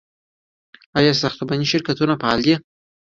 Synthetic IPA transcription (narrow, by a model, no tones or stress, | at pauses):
ajɑsaxt̪obaniʃɪɾkat̪unapaa̰le